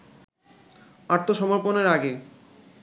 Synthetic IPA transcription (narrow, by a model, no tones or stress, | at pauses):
aɾt̪ʰoʃɔmoɾponeɾaɡe